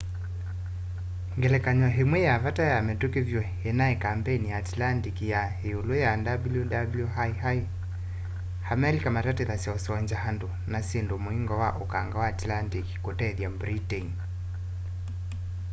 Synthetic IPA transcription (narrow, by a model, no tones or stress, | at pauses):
ŋɡɛlɛkaɲwaɦemwɛjavatajamɛtukevjwɛenaɛkampɛinijaːtilantikija | eolojadabljudabljuɦajɦai | hamɛlikamatateðasjaosɔwaɲd͡ʒahandonasendomoiŋɡɔwaʔokaŋɡawaːtlantiki̥kotɛðjambɾiten